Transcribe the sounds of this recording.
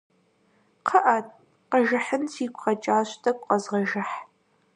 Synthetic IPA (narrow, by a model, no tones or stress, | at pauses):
qʰɐʔat̚ʰʼ | qɐʒɐħənsʰiːkʷʰʼχɐt͡ʃʼaːɕtʰɐkʷʼqɐzʁɐʒɐħ